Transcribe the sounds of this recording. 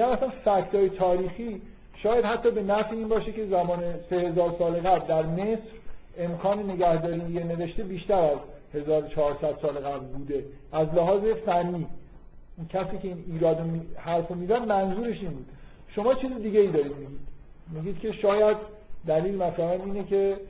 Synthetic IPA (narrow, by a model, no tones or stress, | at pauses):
miɡæmæsænfæcʰt̪ʰɒːjet̪ʰɒːɾiːxiː | ʃɒːjæd̪hæt̪ʰːɒːbe̞næfiiːnbɒːʃecʰe̞zæmɒːne̞se̞he̞zɒːɾsɒːleɣæbld̪æɾme̞sɾ | e̞mkʰɒːnene̞ɟæhd̪ɒːɾijene̞ve̞ʃt̪ebiːʃt̪æɾæz | he̞zɒːɾot͡ʃʰɒːɾsæd̪̥sɒːleɣæblbuːd̪e̞ | ʔæzlæɦɒːze̞fænːiː | cʰæsiːcʰe̞iːniːɾɒːd̪omihæɾfomizæd̪mænzuːɾe̞ʃiːnbuːd̪̥ | ʃo̞mɒːt͡ʃʰiːzid̪iːɟeiːd̪ɒːɾiːd̪miɟiːd̪̥ | miɟiːd̪cʲʰe̞ʃɒːjæd̪ː | æliːlemæfɾæhæniːnecʰe̞